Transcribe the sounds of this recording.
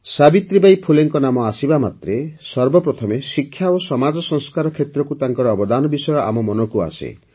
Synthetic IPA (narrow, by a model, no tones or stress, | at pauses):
sabit̪ɾibajpʰuleŋkɔnamɔasibamat̪ɾesɔɾbɔpɾɔt̪ʰɔmesikʰːjaosɔmad͡ʒɔsɔŋskaɾɔkʰet̪ɾɔkut̪aŋkɔɾɔːbɔd̪anɔbisɔjɔʔa̰mɔmɔnɔkua̰sḛ